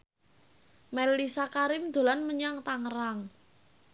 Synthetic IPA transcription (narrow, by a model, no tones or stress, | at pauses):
mɛlːisakaɾɪmd̪̥o̤lanməɲaŋt̪aŋəɾaŋ